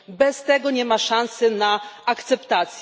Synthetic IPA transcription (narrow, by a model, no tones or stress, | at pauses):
bɛst̪ɛɡɔɲɛmaʂãñsɛnaakt̪sɛpt̪at̪sʲ